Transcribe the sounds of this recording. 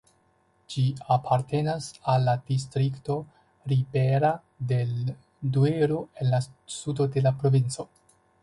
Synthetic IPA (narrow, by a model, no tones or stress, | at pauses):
d͡ʒiapʰaɾte̞nasalːad̥is̬tɾikto̞ | ɾibe̞ɾa | de̞ | due̞ɾoe̞nlasudo̞de̞lapɾo̞vint͡so̞